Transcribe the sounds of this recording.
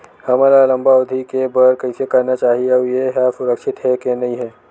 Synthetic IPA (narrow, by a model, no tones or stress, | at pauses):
hɐmaːɾalɐ̃mbaʊd̪ʱikebɐɾkɐisekɐɾnat͡ʃaːɦiaɦujeɦɛːsʊɾəkʃɪt̪ɦɛkenɐɦĩɦɛː